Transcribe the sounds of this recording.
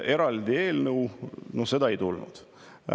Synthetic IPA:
e̞ɾɑld̪ie̞ːlnəwnose̞d̪ɑejt̪ulnṵd̪̥

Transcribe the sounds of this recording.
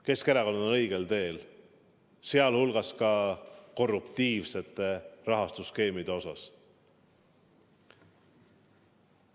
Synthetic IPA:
ke̞skeɾɑko̞nd̪onɤ̞jɡ̥e̞lt̪e̞ːl | seɑlhulɡ̥ɑskɑko̞rːupt̪iːvse̞t̪ːˑe̞rɑɦɑst̪uske̞ːmid̪̥e̞o̞sɑs

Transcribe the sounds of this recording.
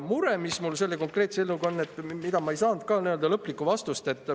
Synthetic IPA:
muɾe̞mismulse̞lːe̞ko̞ŋkre̞ːt̪seelːuɡo̞nːe̞t̪ːˑmid̪ɑmɑejsɑːnd̪̥̚kɑniø̞ld̪̥ɑlɤpːˑlikːˑuvɑst̪ust̪e̞t̪ːˑ

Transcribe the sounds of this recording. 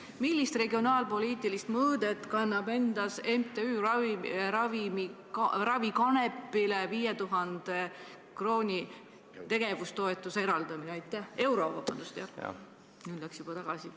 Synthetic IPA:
milːist̪re̞ɡio̞nɑːlpo̞liːt̪ːˑilist̪mɤːd̪e̞t̪ːˑkɑnːɑbe̞nd̪̥ɑse̞mt̪e̞yː | ɾɑvimi | rɑvikɑne̞pːileviːjet̪uɦɑnd̪̥e | kro̞ːnʲi | t̪e̞ɡ̥e̞vust̪o̞e̞t̪ːˑuse̞ɾɑld̪̥ɑmineɑjt̪ːˑæhe̞wɾo̞vɑb̥ɑ̰nd̪ust̪jɑ̰ | nyːd̪læksjub̥ɑt̪ɑɡ̥ɑsi

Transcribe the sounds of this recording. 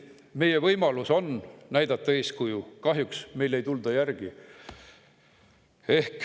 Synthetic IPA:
me̞jevɤjmɑluso̞nnæjd̪̥ɑt̪ːɑe̞ːskujukɑɦjuksmejlːe̞jt̪uld̪̥ɑjærɡ̥i | e̞hk

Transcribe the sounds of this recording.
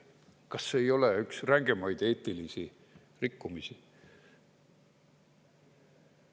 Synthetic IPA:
kɑsːeːjo̞leyksræŋɡ̥e̞mɑjd̪e̞ːt̪ːˑilisi | rikːumisi

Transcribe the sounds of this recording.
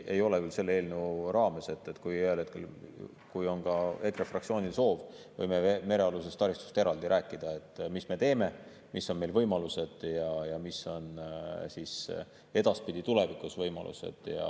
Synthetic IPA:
ʔe̞jo̞le̞kylse̞lːe̞ːlneɾɑːme̞se̞t̪ːˑet̪kujyelhet̪̚ke̞l | kujo̞nkɑe̞krefrɑktsio̞ːnʲilso̞ːv | vɤjmeme̞ɾe̞ɑlus̬e̞st̪ɑɾist̪u̥st̪e̞ɾɑld̪iɾʔæːkːˑid̪̥ɑe̞t̪ːˑmisme̞t̪e̞ːme̞ | misːo̞nme̞jlvɤjmɑluse̞d̪̥jɑjɑmisːo̞nsis | e̞d̪̥ɑspid̪̥it̪ule̞vikːˑusvɤjmɑ̰lʔṵse̞̰d̪̥jɑ̰

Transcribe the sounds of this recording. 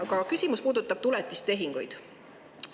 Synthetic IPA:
kɑkysʲimuspuːd̪ut̪ːˑɑb̥̚t̪ulet̪ːˑist̪e̞ɦiŋɡ̥ujd̪̥

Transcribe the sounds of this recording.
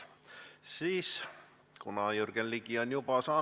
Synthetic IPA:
siːs | kunɑjurɡ̥enliɡ̥io̞njubɑsɑː

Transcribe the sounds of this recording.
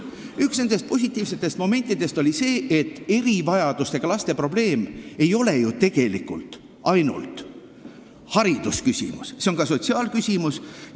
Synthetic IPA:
yksned̪e̞st̪̚po̞s̬ʲit̪ːˑiːvse̞t̪ːˑe̞st̪mo̞me̞nt̪ːˑid̪̥e̞st̪o̞lʲise̞ːʔet̪ːe̞ɾivɑjɑd̪̥ust̪ekɑlɑst̪e̞pro̞ble̞ːme̞jo̞le̞jut̪e̞ɡ̥e̞likːṵlt̪ | ɑjnṵlt̪ˑ | hɑɾid̪̥uskysʲḭmusseo̞nɡɑso̞t̪siɑːlkysʲimus

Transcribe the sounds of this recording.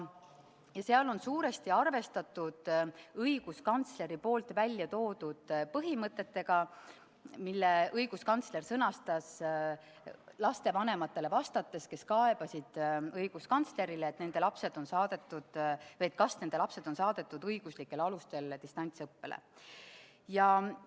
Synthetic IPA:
jɑseɑlo̞nsuːɾe̞st̪iɑrve̞st̪ɑt̪ːˑud̪̥ɤijɡ̥uskɑnt̪sle̞ɾipo̞ːlt̪vælʲːjɑt̪o̞ːd̪̥ud̪̥pɤɦimɤt̪ːˑe̞t̪ːe̞ɡ̥ɑ | milːeɤjɡ̥uskɑnt̪sle̞rsɤnɑst̪ɑs | lɑst̪e̞vɑne̞mɑt̪ːe̞le̞vɑst̪ɑt̪ːˑe̞ske̞skɑeb̥ɑsid̪̥ɤjɡ̥uskɑnt̪sle̞ɾileːt̪ːne̞nd̪e̞lɑpse̞d̪̥o̞nsɑːd̪̥e̞t̪ːˑud̪̥vɤet̪̚kɑsne̞nd̪e̞lɑpse̞d̪o̞nsɑːd̪̥e̞t̪ːˑud̪̥ɤjɡ̥uslikːˑe̞lɑlust̪e̞lt̪ist̪ɑnʲt̪sɤpːe̞lʔḛ | jɑ

